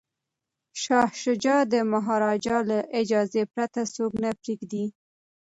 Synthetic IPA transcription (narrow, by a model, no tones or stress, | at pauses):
ʃɑhʃʊd͡ʒɑd̪əmaɦɑɾɑd͡ʒɑlaʔɪd͡ʒɑzepɾat̪asoɡnapɾeɡd̪i